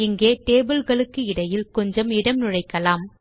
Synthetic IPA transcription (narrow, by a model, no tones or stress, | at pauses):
ɪŋɡeːʈeːbɯlɣɐɭɯkːɯɪɽɐjɪlkɔɲd͡ʒɐmɪɽɐmnʊɻɐɪkːɐlaːm